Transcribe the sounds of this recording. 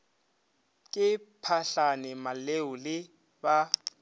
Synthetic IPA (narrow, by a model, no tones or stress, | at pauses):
kʼɪpʰaɬanɪmaleʊlɪ | ba